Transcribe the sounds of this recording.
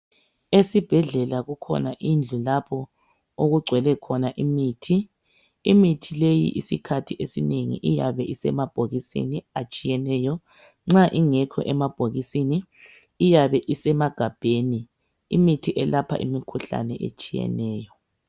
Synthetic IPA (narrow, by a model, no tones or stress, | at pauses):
esib̥ʱɛɮɛlaɣukʰɔ̰naʔind͡ɮʱulapʰɔ | oɣuɡ͡ǀʱwɛlɛkʰɔnaʔimiːtʰi | imitʰilejḭʔisikʰatʰiʔesineŋḭʔijaβɛʔisɛmab̥ʱoɣisḭniat͡ʃʼijɛnɛːjɔ | ŋ͡ǁaʔiŋɛkʰɔ̰ʔɛmab̥ʱoɣisiniː | jaβɛʔisɛmaɡ̥ʱab̥ʱeni | imitʰiʔɛlapʰa̰ʔḭmikʰuɬa̰nɛʔḛt͡ʃʼijɛ̰nɛːjɔ